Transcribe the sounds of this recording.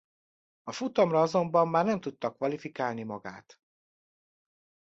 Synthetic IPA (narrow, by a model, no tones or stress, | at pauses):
ɒfut̪ɒmrɒɒzo̞mbɒmːaːrnɛmt̪ut̪ːɒkʋɒlifikaːlnimɒɡa̰ːt̪